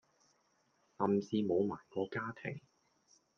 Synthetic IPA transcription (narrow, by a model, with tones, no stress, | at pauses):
hɐ˨msiː˧mo˨˧wma̰ː˨˩jkɔː˨˧kaː˥t̪ʰe˨˩ŋ